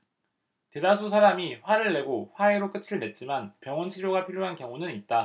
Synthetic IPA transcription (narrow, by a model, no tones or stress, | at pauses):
te̞das̬ʰusʰaɾamiɸwaɾɯɭːe̞ɡoɸwae̞ɾok͈ɯt͡ɕʰiɭme̞t̚t͡ɕ͈imanpjʌŋwʌnt͡ɕʰiɾjoɡapʰiɾjoɦankjʌŋunɯnit̚t͈a